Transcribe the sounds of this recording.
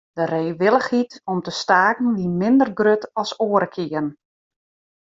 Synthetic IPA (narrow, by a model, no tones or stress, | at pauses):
d̥əreːʋɪlˠəxitɔmtəstaːkn̩ʋimɪndərɡrøtɔsoːəɾəkʰɪərn